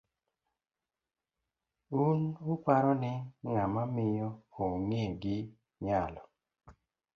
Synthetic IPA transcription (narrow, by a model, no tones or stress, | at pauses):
unʊpaɾɔnɛŋamamɪjɔoŋeɡɪ | ɲalɔ